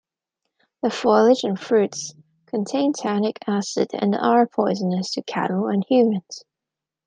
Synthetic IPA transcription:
ðəfɔɪlˠɪd͡ʒɨ̃nfɹʉts | kʰə̃ntʰẽɪ̃ntʰænɪkʰæsɨ̰dɨ̰̃nɑ̰ɹəpʰɔɪzənəz̥tʰɨkʰæ̰nl̩ˠə̰̃nhjʉmɨ̃nz̥

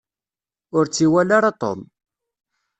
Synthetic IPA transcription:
ʊɾt͡sːiwælaɾɑt̪ˤo̰n

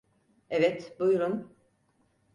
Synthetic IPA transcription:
evɛt̪bujuɾun

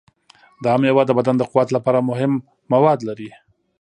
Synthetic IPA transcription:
d̪ɑamjawɑd̪ːəbad̪and̪əqʊwat̪lapɑɾamʊɦɪmː | awɑd̪laɾi

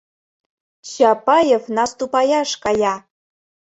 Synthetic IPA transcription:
ɕɑpɑjefnɑst̪upɑjɑʃkɑjɑ

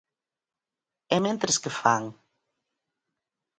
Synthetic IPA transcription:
ɛmẽnt̪ɾeskefaŋ

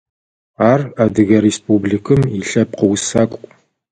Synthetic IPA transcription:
aːrɐdɨɣɐɾespʰubɮikʰɨmiɬɐp̚qəwsakʷʼ

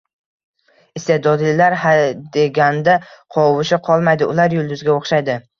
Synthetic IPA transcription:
ɪst̪ed̪ɒd̪lɪlaɾhad̪e̞ɡʲand̪aqʰɒwɪʃɪqʰɒlˠmajd̪ɪʊlaɾjʊlˠd̪ʊzɡʲaoχʃajd̪ɪ

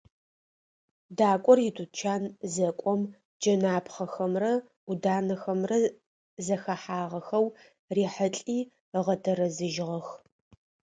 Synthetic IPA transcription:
daːkʷʼɔrjɪtʰʼut͡ʃʰaːnzɐkʷʼɔm | d͡ʒɐnaːpχɐxɐmrɐ | ʊdaːnɐxɐmrɐ | zɐxɐħaːʁɐxɐw | riːħəɬʼiː | əʁɐtʰɐrɐzɨʒʁɐx

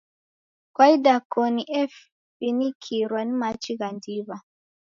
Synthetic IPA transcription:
kwaidakɔniʔɛf | inikʰiɾwanimat͡ʃiɣandiβa

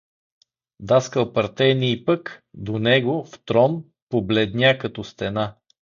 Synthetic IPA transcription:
d̪askəlˠpɐɾt̪ɛniːpəkd̪onɛɡoft̪ɾɔn | poblɛd̪nʲjakɐt̪ɔst̪ɛna

